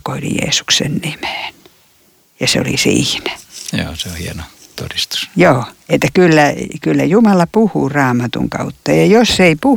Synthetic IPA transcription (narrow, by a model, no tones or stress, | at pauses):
koilḭjḛːsu̥ksḛnnimeːn | jɑseo̰lḭsḭːnæjo̰ːseohieno | t̪o̰dist̪u̥sjoːet̪ːækylːækylːæjumɑlɑpuhurɑːmɑt̪ṵŋkɑ̰ut̪ːɑjɑjosːeipu